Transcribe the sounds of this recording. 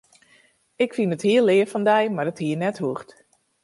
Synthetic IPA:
ɪkfinəthiəlˠːɪːəfɔndɛjmarəthiːənɛthuxt

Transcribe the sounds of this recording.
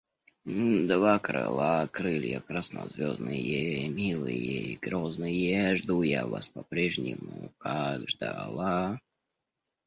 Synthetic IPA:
d̪vakɾɨ̰lˠakɾɨlʲjəkɾasnə̰zʲvʲoznɨjemʲilˠɨjeiɡɾoznɨjeʐd̪ujavaspɐpɾʲeʐnʲɪmʊkaɡʐd̪alˠa

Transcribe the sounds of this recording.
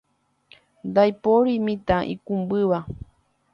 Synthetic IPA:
nd̪ajpoɾimĩt̪ãʔḭ̃kumbɨʋa

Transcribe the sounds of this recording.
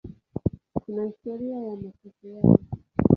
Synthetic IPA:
kunahistɔɾiajamasifiani

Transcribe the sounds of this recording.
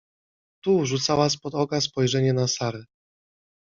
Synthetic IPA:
t̪uʐut̪sawaspɔd̪ɔkas̬pɔjʐɛɲɛnasaɾɛ

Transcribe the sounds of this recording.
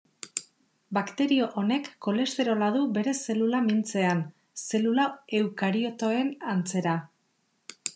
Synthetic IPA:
bakt̪e̞ɾio̞ʔone̞kːo̞le̞st̪e̞ɾo̞laðube̞ɾe̞se̞lulamint͡se̞an | se̞lulae̞wkaɾio̞t̪o̞e̞nant͡se̞ɾa

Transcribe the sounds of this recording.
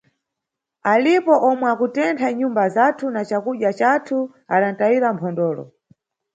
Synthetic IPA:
alipɔʔɔmwɛakutɛntʰaɲumbazatʰunat͡ʃakuʄjat͡ʃatʰu | aɗan̩taiɾam̩pʰɔndɔːlɔ̰

